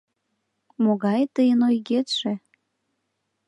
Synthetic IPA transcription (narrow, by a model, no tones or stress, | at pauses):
moɣɑjt̪əjənojɣet̪ʃe